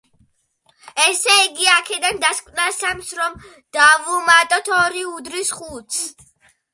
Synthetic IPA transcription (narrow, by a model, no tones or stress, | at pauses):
ɛsɛiɡiakʰɛd̪and̪askʼvnasamsɾɔm | d̪̥avumat̪ʼɔt̪ʰɔɾiud̪ɾisχut̪sʰ